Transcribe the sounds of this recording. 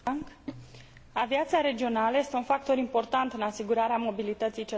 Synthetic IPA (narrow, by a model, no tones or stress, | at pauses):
ŋk | aviat̪siaɾe̞d͡ʒio̞naləje̞st̪eunfak̚t̪o̞ɾimpo̞rt̪ant̪ɨnasiɡuɾaɾeamo̞bilit̪ət̪sijt͡ʃe